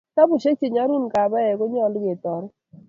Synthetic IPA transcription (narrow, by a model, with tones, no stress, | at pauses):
ka˦bu˨ʃe˦t͡ʃe˨ɲa˦ɾu˦nka˨ba˦jɛ˨ko˦ɲ˦ɔ˦˨lɡe˨tɔ˨ɾ